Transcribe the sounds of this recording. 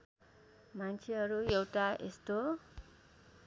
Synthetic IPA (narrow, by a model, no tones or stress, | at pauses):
mant͡sʰeɦʌɾuewʈaʔḛst̪o